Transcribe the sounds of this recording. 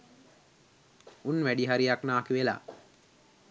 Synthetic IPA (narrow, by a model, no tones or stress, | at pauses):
unʋæɖiɦaɾijaknaːkiʋela̰ː